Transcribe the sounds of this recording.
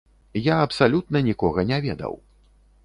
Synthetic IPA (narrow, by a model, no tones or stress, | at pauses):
jaɐpsalʲut̪nɐnʲikɔɣɐnʲavʲɛd̪ɐ̰w